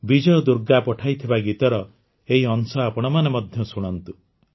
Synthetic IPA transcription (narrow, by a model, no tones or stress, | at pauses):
bid͡ʒɔjɔd̪uɾɡapɔʈʰajt̪ʰibaɡit̪ɔɾɔ | eɦiɔnsɔapɔɽ̃ɔmanemɔd̪ʱjɔsuɽ̃ɔnt̪u